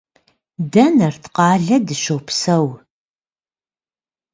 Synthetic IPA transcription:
dɐnɐrtʰqɑːɮɐdɨɕowpsɐw

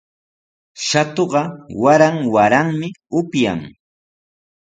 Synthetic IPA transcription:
ʃat̪oɢɑwaɾaŋwaɾaŋmɪʊpja̰ŋ

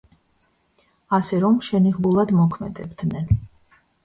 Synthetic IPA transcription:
asɛɾɔmʃɛniʁbulˠad̪mɔkʰmɛd̪ɛbd̪nɛn

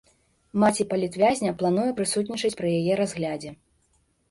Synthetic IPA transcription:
mat͡sʲipɐlʲit̪vʲazʲnʲɐplˠanujɛpɾɨsut̪ʲnʲit͡ʂɨt͡sʲpɾɨjajɛɾazɣlʲad͡zʲɛ

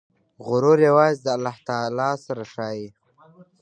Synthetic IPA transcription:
ɣʊɾoɾjawɑːzd̪əalaht̪ɑːlɑːsaɾaʂɑːji

